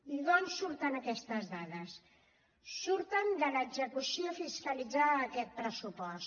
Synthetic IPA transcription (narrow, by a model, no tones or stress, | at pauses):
iðɔnsːuɾt̪ənəkɛst̪əzðaðəs | suɾt̪ənd̪ələɡzəkusiəfiskəlid͡zaːkɛt̪̚pɾəsupɔs